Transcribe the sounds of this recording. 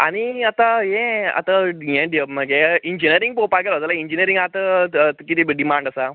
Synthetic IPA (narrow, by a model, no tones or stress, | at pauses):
a̰ñiat̪ajẽa̰t̪ajɛ̃ɖiəbməɡeiɲd͡ʑinəɾiŋɡ̚popaɡelət̪alaiɲd͡ʑiniəɾiŋɡat̪əkit̪iɖimãɳɖasa